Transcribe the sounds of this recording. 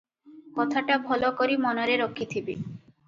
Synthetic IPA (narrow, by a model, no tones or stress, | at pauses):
kɔt̪ʰaʈabʱɔlokoɾimɔnoɾeɾokʰːit̪ʰibḛ